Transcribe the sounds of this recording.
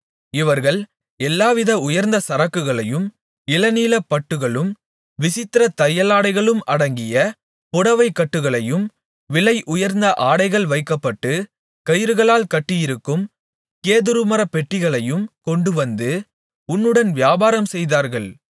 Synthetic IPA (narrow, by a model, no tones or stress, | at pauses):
ɪʋɐɾɣɐɭ | ɛlːaːʋɪðɐʊjɐɾnd̪ɐsɐɾɐkːɯɣɐɭɐjɯm | ɪlɐniːlɐpːɐʈːɯɣɐɭɯm | ʋɪsɪt̪ːɪɾɐt̪ɐjɐlaːɽɐɪɣɐɭɯmɐɽɐŋɡɪjɐ | pʊɽɐʋɐɪkːɐʈːɯɣɐɭɐjɯm | ʋɪɭɐɪʔʊjɐɾnd̪ɐʔaːɽɐɪɣɐɭʋɐɪkːɐpːɐʈːɯ | kɐjɪɾɯɣɐɭaːlkɐʈːɪjɪɾɯkːɯm | keːðɯɾɯmɐɾɐpɛʈːɪɣɐɭɐjɯmkɔɳɖɯʋɐnd̪ɯ | ʊnːɯɽɐnʋɪjaːbaːɾɐmsɛjðaːɾɣɐɭ